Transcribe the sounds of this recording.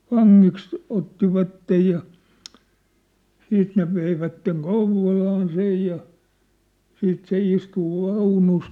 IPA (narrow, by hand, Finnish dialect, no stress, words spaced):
ʋɑŋːiks otːiʋɑtːej jɑ siːt ne ʋeiʋætːeŋ kouʋˑolɑːn sej jɑ siːt se istu ʋɑunus